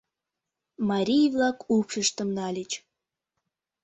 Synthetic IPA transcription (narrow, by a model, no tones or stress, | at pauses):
mɑɾʲijvlɑkupʃəʃt̪əmnɑlʲet͡ɕ